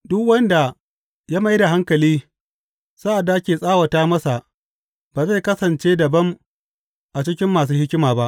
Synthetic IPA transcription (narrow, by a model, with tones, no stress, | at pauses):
dʊ˦kwɐ˦nda˨ | jaː˦ma˦jda˨ɦa˦ŋkɐ˨liː˦ | sa˦ʔa˨dːa˨ʔa˦kʲeː˨sʼaː˦wɐ˨taː˦mɐ˦sa˨ʔ | baː˨za˦jkɐ˦sɐ˨nt͡ʃeː˦dɐ˨bɐ˦m | ʔa˨t͡ʃɪ˦kʲɪ˦mːaː˨s̬uː˦hɪ˦kʲɪ˦maː˨ba˦ʔ